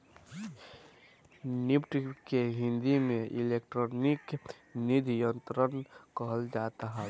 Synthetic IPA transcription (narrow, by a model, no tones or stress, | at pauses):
nipʈkeɦĩnd̪imeʔilekʈɾonik | nid̪jənt̪ɾənkəɦəld͡ʒat̪aɦɛ